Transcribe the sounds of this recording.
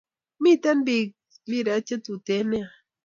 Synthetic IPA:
mit̪anbi | biɾat͡ʃat̪ut̪ene

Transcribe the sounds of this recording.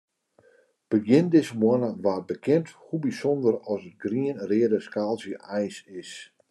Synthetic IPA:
b̥əɡjɪndɪsəmwanəʋaːbəkʰɪnthubisɔndərɔsət̚ɡriənrɪədəskalˠsjəʔɛjsɪs

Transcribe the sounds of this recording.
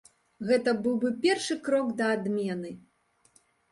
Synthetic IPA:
ɣɛt̪ɐbɨwbɨpʲɛrʂɨkɾɔkd̪ɐːd̪mʲɛnɨ

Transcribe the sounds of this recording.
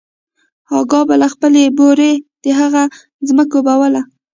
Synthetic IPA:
ɑɡɑbalaxpəleboɾed̪̥əɦaɣa | zməkobawəla

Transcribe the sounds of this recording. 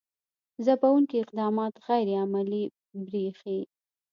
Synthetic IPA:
zapawuŋkiɪq̚d̪ɑmɑt̪ɣajɾeamali | bɾixi

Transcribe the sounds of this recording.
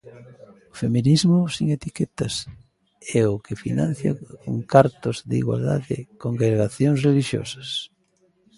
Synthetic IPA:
ʊfemĩnizmʊsiŋet̪ikɛt̪ɐs | ɛʊkʰɪfḭnã̰n̟θja̰koŋkaɾt̪ʊzðḭɣwa̰ld̪aðɪkoŋɡɾeɾɣaθjoŋsreliʃjo̰sɐ̥s

